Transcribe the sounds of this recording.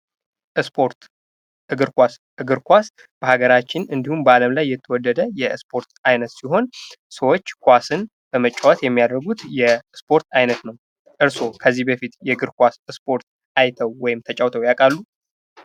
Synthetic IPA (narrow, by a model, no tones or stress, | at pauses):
ʔɨspʰoɾt̪ | ʔɨɡɨɾkʷas | ɨɡɨɾkʷas | b̥əhaɡəɾat͡ʃːɪnɨnd̪ihumbəaləmlajːɛt̪ʰːəwɔd̪ːəd̪əjɛspʰo̞ɾt̪ajnət̪siɦo̞nsəwot͡ʃːkʰʷasɨn | b̥əmət͡ʃʼːawat̪jɛmːijad̪əɾɡut̪jɛspʰo̞ɾt̪ʰajnət̪nəw | ʔɨɾso̞kʰəzːihbəfit̪jɛɡɨɾkʷasɨspʰo̞ɾt̪ | ʔajt̪ʰəwːɔjɪmt̪ʰət͡ʃʼawt̪ʰəwjakʼalːu